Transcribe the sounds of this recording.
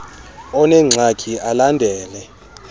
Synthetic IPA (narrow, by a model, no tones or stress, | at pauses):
ɔnɛŋ͡ǀʱakʰiʔalandʱɛːlɛ